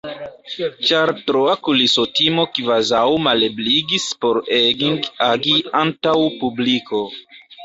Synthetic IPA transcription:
t͡ʃaɾtɾoakulisotimo̞kvazawmalebliɡispo̞ɾeɡiŋɡaɡiantawpublikʰo̞

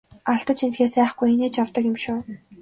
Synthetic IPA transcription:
aɬt̪ə̆t̪t͡ɕʰint̪xeːsæːχɡujeneːt͡ɕjawt̪ə̆kjʊ̆mʃʊː

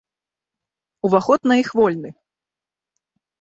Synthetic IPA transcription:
uvaxɔt̪nɐixvɔlʲnɨ

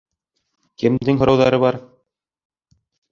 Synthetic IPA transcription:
kɘ̆md̪ɘŋɦŏɾɑwðɑɾɤβɑɾ

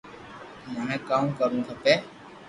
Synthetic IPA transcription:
məɳẽːkaːmkəɾũːt̪ʰəpeː

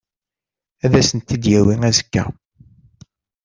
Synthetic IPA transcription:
æðæsənt̪ːid̪jæwiŋæzə̥kːæ̰

